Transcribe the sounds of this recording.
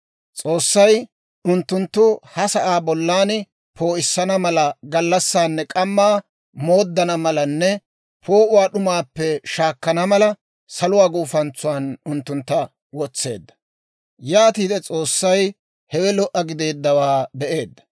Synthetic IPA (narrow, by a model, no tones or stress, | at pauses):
t͡sʼo̞ːsːɐj | ʊnt̪ːʊnt̪ːʊhɐsɐʔaːbɔlːaːn | po̞ːʔɪsːɐnɐmɐlɐɡɐlːɐsːaːnːɛkʼɐmːaː | mo̞ːd̪ːɐnɐmɐlɐnːɛ | pʰo̞ːʔʊwaːɗʊmaːpːɛʃaːkːɐnɐmɐlɐ | sɐlʊwaːɡuːfɐnt͡sːʊwaːnʊnt̪ːʊnt̪ːɐ | wɔt͡sːe̞̰ːd̪ːɐ̥ | jaːt̪iːd̪ɛt͡sʼo̞ːsːɐj | hɛwɛlɔʔːɐɡɪd̪e̞ːd̪ːɐwaːbɛʔe̞ːd̪ːɐ̥